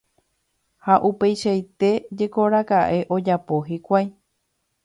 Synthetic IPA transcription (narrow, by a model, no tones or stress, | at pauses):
haʔupe̞jʃajt̪e̞d͡ʒe̞ko̞ɾakaʔe̞ʔo̞d͡ʒapo̞ɦikʷaj